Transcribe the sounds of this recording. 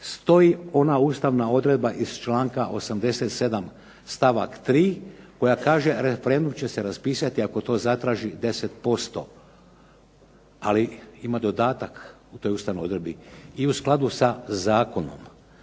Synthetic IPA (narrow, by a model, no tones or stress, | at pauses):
st̪o̞jio̞nauːst̪aʋnao̞d̪ɾe̞d̪̚baʔiz̥t͡ʃlaːŋkaʔo̞samd̪e̞set̪se̞d̪am | st̪aʋakt̪ɾiːko̞jakaːʒe̞ɾefeɾe̞nd̪umt͡ɕe̞se̞ɾaspiːsat̪iako̞t̪o̞ːzat̪ɾaːʒid̪e̞set̪po̞st̪o̞̰ | aliimad̪o̞d̪aːt̪ak | ut̪o̞juːst̪aʋnojo̞d̪ɾe̞d̪biiusklˠad̪usazaːko̞no̞̰m